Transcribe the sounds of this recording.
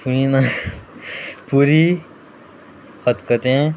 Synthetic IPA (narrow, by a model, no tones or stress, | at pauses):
puĩna | puɾi | hət̪kət̪ẽ